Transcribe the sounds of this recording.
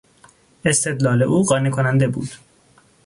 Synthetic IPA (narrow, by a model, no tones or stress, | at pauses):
e̞st̪ʰe̞d̪lɒːle̞ʔuːɢɒːnekʰonænd̪e̞bṵːd̪̥